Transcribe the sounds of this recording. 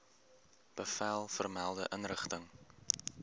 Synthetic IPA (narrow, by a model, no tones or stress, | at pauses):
b̥əfɛlˠfərmɛlˠdəʔənrəχtəŋ